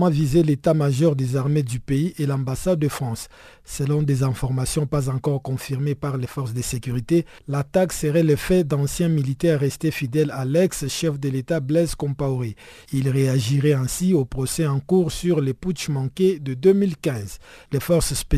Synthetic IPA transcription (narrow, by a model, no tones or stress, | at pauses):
ɑ̃vizelet̪amaʒɔʁd̪ezaʁmed̪ypeiʔelɑ̃basad̪̚d̪əfχɑ̃sː | əlɔ̃d̪ezɛ̃fɔʁmasjɔ̃pazɑ̃kɔʁkɔ̃fiʁmepaʁlefɔʁsd̪əsekyʁit̪e | lat̪aksəʁɛləfɛd̪ɑ̃sjɛ̃milit̪ɛʁaʁɛst̪efid̪ɛlalɛksʃɛfd̪əlet̪ablɛzkɔ̃paoʁe | ilʁeaʒiʁɛɛ̃siopʁɔsɛɑ̃kuʁsyʁleput͡ʃmɑ̃ked̪əd̪ømilkɛ̃zlefɔʁsspe